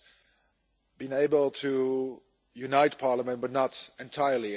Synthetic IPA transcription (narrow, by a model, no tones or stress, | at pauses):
b̥iɪ̃ŋeɪbəl̩ˠtʰu | junaɪt̚pʰɑɹləmə̃nt̚b̥ʌtⁿnəɾɨ̃ntʰaɪə˞li